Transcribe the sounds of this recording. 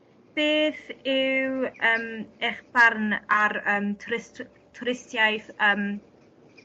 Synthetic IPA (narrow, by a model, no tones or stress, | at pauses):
b̥eːθɪwəːmɛχbarnaɾəːmtʰʊɾɪst | tʰʊɾɪstjajθəːm